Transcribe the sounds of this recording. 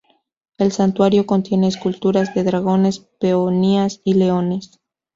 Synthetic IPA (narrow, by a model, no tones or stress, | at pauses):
e̞lsant̪waɾjo̞ko̞nt̪je̞ne̞ːskult̪uɾazðe̞ðɾaɣ̞o̞ne̞speoniasile̞o̞ne̞s